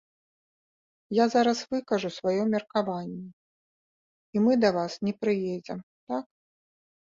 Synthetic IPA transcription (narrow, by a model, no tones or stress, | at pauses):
jazaɾɐsvɨkɐʐusvajɔmʲɛrkavanʲːɛ | imɨd̪ɐvasnʲɛpɾɨjɛd͡zʲɛ̰m | t̪ak̚